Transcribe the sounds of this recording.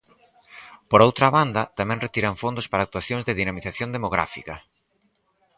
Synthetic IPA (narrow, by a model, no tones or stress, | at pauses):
poɾowt̪ɾaβand̪ɐt̪amɛ̃ŋret̪iɾaɱfond̪ospaɾaːk̚t̪waθjoŋzðeðinamiθaθjond̪emoɣ̞ɾa̰fikɐ